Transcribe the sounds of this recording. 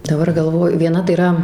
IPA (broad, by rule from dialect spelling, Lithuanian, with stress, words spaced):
dɐˈbɐr ɡɐlˠˈʋoːjʊ ʋʲiɛˈnɐ tɐɪ iːˈrɐ